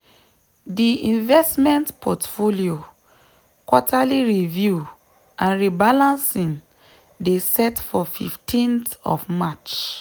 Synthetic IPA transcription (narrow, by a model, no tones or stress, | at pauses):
diĩnvɛstmɛ̃ntpʰɔtfolio | kɔtʰaliɹivju | ãnɹibalãnsĩn | desɛtfɔfḭftʰĩntɔ̰fmat͡ʃ